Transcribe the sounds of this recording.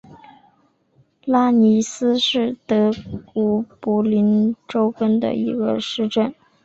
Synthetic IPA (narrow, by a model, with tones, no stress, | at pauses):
la˥ni˧˥sɹ̩˥ʂɻ̩˥˩t̪ɤ˧˥kɔ˧˥pu˧˥li˧˥nʈ͡ʂo˥ʊkə˥nd̪ə̰˨i˧˥ɡə̰˧ʂɻ̩˥˧ʈ͡ʂə˥˩n